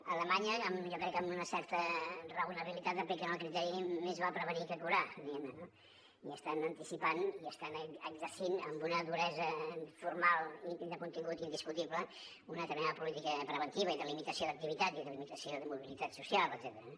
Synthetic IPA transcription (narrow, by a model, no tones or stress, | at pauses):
ələmaɲəːmʒɔkɾɛkːəmbunəsɛɾt̪ərəunəβ̞ilit̪at̪əpekənəlˠkɾit̪ɛɾimezβapɾəβənikəkuɾaniɛməno | iəst̪anənt̪isipaniəst̪anəɡzərsinəmbunəðuɾɛzəfuɾmalˠid̪əkunt̪iŋɡut̪ind̪iskut̪iβlə | unət̪əɾminaðəpulit̪ikəpɾəβənt̪iβəiðəlimit̪əsioðək̚t̪iβit̪at̪iðəlimit̪əsioðəmuβilit̪at̪susialˠəd̪z̥ɛt̪əɾə